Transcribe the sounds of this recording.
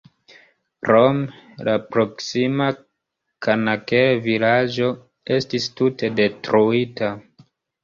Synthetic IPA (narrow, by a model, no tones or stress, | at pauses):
ɾomlapɾo̞ksima | kʰanakevilad͡ʒo̞ | e̞stistute̞de̞tɾuita